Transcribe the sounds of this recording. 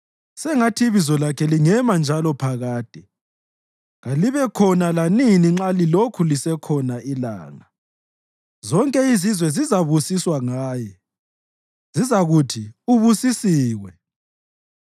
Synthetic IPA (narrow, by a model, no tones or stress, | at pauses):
sɛŋatʰiβizɔlakʰɛliŋɛmand͡ʒʱalɔpʰaɣaːd̥ʱɛ | ɣaliβɛkʰɔnalaniniŋ͡ǁalilokʰulisɛkʰɔnaila̰ːŋa | zɔŋkʼɛizizwɛzizaβusiswaŋaːjɛ | zizaɣutʰiuβusisiːwɛ